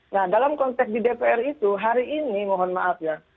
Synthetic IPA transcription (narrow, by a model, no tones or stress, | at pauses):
nahdalamkɔnt̪ɛksdidepeɛrit̪uɦaɾiʔːnimɔɦɔnmaʔat̚ja